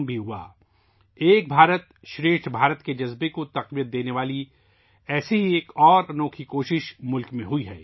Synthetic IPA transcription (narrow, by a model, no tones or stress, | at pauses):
bʱiɦua̰ː | eːk̚bʱaːɾət̪ | ʃɾeːʃʈʰbʱaːɾət̪ked͡ʒɐzbekot̪ɐqʋijət̪̚d̪eːneʋaːli | ɛːseɦieːkɔːɾɐnoːkʰikoːʃɪʃmʊlkmẽɦʊiɦɛ̰ː